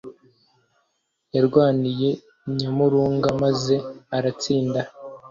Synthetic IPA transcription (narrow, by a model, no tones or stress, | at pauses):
jaɾɡwaːnije̞ | ɲamuɾuːŋɡamaze̞aɾat͡siːnda